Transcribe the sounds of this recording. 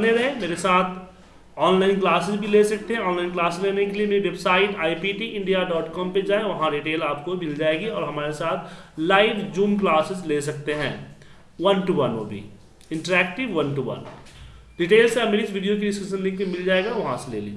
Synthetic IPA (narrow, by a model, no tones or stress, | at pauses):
neɾɐɦẽmeːɾesaːt̪ʰ | ɔːnlaːɪnklaːsɪzbʱileːsɐk̚t̪eɦɛ̃ɔːnlaːɪnklaːsɪzleːnekeliemeːɾiʋebsaːɪʈaːipiːʈiʔɪ̃ɳɖijaɖɔːʈkɔːmped͡ʒaːẽʋɐɦãɖiʈeːlaːp̚koimɪld͡ʒaːeɡiɔːɾɦɐmaːɾesaːt̪ʰlaːɪʋd͡ʒuːmk̬laːsɪzleːs̬ɐk̚t̪eɦɛ̰̃ː | ʋɐnʈuʋɐno̰bʱḭ | ɪ̃ɳʈəɾɛːk̚ʈɪʋʋɐnʈuʋɐ̰n | ɖiːʈeːlsẽɐmeɾisʋiːɖijok̬idɪskəʃə̃nlekemɪld͡ʒaːeɡaʋɐɦãselḛːlḭːd͡ʒ